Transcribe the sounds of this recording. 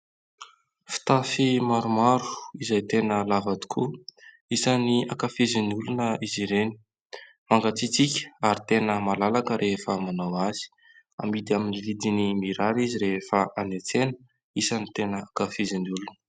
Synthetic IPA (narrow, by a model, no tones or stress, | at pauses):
fi̥t̪afimaɾumaɾu̥izajt̪enəlavad̪i̥kʰu | isaniakafiziniulunəiziɾeni̥ | maŋɡat͡sit͡sikʲə̥aɾit̪enəmalalakəɾʔefəmanawazi̥ | a̰mid̪aminilid̪inimiɾaɾiziɾefəʔanet͡senə | isənit̪enəakafiziniulunə